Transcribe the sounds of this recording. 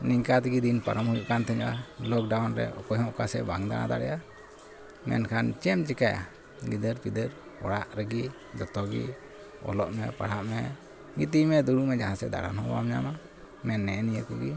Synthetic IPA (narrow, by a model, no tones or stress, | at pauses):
niɲkat̪ɛɡid̪inpaɾɔmhujuʔkant̪ʰɛɲʔalɔk̚ɖawnɾɛ̰ɔ̰kɔjhɔ̃ʔkasɛ̰baŋd̪ana̰d̪a̰ɽɛja | mɛ̰nkʰant͡ʃɛmt͡ʃɛkaja̰ | ɡid̪əɾpid̪əɾ | ɔ̰ɽaʔɾɛɡi | d͡ʒɔt̪ɔɡḭ | ɔ̰lɔʔmɛpaɽaʔmɛ | ɡit̪̬imɛd̪uɽumɛd͡ʒaɦãsɛd̪a̰ɽa̰nhɔ̃ba̰mɲama | mɛnːɛɛnijəkɔɡi